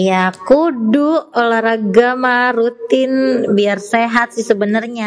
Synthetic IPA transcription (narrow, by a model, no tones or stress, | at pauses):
jakuduolaɾaɡamarut̪ɪnbiarseɦat̪̚sɪhsəbənərɲa